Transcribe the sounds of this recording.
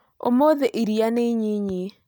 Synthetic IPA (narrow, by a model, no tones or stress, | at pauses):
o̰moðeʔiɾianeiɲeɲe